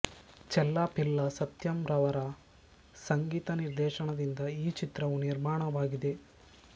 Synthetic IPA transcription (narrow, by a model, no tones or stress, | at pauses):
t͡ʃɛlːaːpilːɐsɐt̪jɐmɾɐʋɐɾɐ | sɐŋɡiːt̪ɐniɾd̪ɛːʃɐɳɐd̪ind̪ɐiːt͡ʃit̪ɾɐʋuniɾmaːɳɐʋaːɡid̪e̞